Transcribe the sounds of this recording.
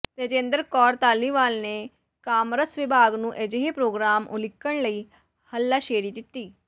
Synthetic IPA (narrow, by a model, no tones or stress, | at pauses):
t̪eːd͡ʒẽːnd̪əɾkɔːɾt̪aːlːiːʋaːlneː | kaːmɾəsʋɪbʱaːɡnũːʔeːd͡ʒeɦeːpɾoːɡɾaːmʊ̰lɪkːəɳləiː | həlːaːʃeːɾiːd̪ɪt̪ːiː